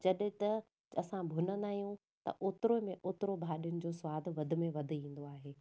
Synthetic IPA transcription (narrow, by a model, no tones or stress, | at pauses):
d͡ʑɐɗt̪ɐ | ɐsãbʱʊnənaːijũ | t̪ɐ̰ʔoːt̪ɾomẽʔoːt̪ɪɾobʱaːɗijʊnɪ̆d͡ʑoːsʊʋaːd̪ʱʋɐd̪ʱɪ̆mẽʋɐd̪ʱɪ̆ĩːn̆d̪oaːɦeː